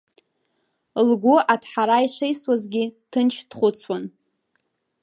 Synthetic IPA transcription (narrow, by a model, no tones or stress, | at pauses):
lɡʷuatʰħaɾaiʂejswazɡʲitʰɨnt͡ʃʰd̥χʷʊt͡sʰwan